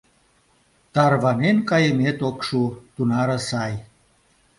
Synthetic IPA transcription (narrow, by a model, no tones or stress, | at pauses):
t̪ɑrβɑnenkɑjəmet̪okʃut̪unɑɾə̆sɑj